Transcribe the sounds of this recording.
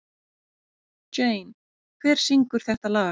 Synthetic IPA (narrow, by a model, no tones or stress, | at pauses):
t͡ʃejn | kʰvɛːɾ̥siŋkʏɾ̥θɛht̪alaː